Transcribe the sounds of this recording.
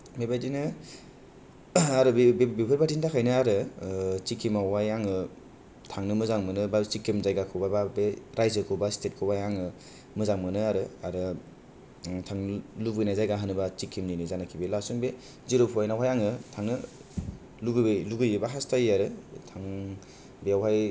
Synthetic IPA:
mebajdinɯ | aɾɯbbbipʰɯɾbatʰintakʰajnɯaɾɯt͡ʃikʰːimawajaŋɯ | tʰaŋnɯmɯzaŋmɯnɯbat͡ʃikʰːimzajɡakʰɯwbababeɾajzɯkʰɯbastʰet̚kʰɯbajaŋɯ | mɯzaŋmɯnɯaɾɯaɾɯ | tʰaŋlubɯjnajzajɡaɦɯnɯbat͡ʃikʰːimninizanakʰibelasuŋbe | ziɾɯpʰuajnawɦajaŋɯtʰaŋnɯ | luɡɯluɡɯjɯbaɦastajaɾɯtʰaŋ | bejawɦaj

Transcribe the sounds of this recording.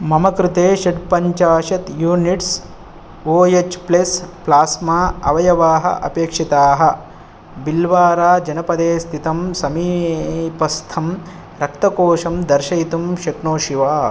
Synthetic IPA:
mɐmɐkɾɪt̪eːʃiɖpɐɲt͡ʃaːʃɐt̪juːniʈs | oːjet͡ʃplesplaːsmaːɐʋɐjɐʋaːɦɐ̰ʔɐ̰peːkʂit̪aːɦɐ | bilʋaːɾaːd͡ʒɐnɐpɐd̪eːst̪ʰit̪ɐmsɐmiːpɐst̪ʰɐm | ɾɐk̚t̪ɐkoːʂɐmd̪ɐɾʃɐjt̪umʃɐkɳoːʃiʋaː

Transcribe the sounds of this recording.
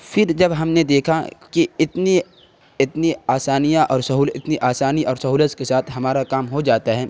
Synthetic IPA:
fɪɾd͡ʒɐbɦɐmned̪eːkʰakiɪt̪ne | ɪt̪niaːsaːnijaʔɔːɾsɐɦuːlɪt̪niʔaːsaːniʔɔːɾsɐɦuːləskesaːt̪ʰɦɐmaːɾakaːmɦod͡ʒaːt̪aɦɛː

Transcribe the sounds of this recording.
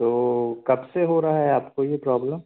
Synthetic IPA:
t̪oːkɐbseɦoɾaɦaɦɛaːpkojepɾɔːbləm

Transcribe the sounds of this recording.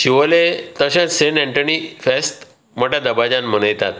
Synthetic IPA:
ɕiʋəlet̪əɕãt̪senɛ̃ɳʈənifest̪ | məʈad̪əbad͡ʑãnm̤ənəjt̪at̪

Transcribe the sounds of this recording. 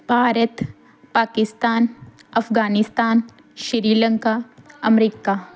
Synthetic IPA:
bʱaːɾət̪ | paːkɪst̪aːn | ɐfɡaːnɪst̪aːn | ʃɪɾiːlə̃ŋkaːɐmɾiːkaː

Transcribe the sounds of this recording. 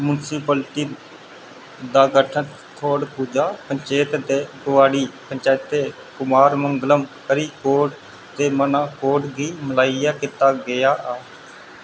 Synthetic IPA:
mʊnsipəlʈib | d̪aːɡəʈʰən | t̪ʰoːɽpuːd͡ʒaːpəɲt͡ʃeːt̪d̪eːɡʊʋaːɽiːpəɲt͡ʃaːt̪eː | kʊmaːɾməŋɡləmkəɾiːkoːʈ | t̪eːmənaːkoːɖɡiːməlaːijaːkɪt̪aːɡɪjaːʔɛː

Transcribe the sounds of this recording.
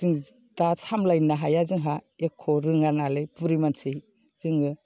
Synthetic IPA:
ɯŋ | tasʰamlajnaɦajazɯŋɦaekʰːɔɾɯŋanalepuɾimansʰej | z̥ɯŋɯ

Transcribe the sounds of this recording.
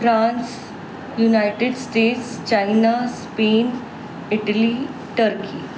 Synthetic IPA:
fɾãns | junajʈeɖsʈeʈst͡ɕainaspeːn | iʈəli | ʈəɾkʰiː

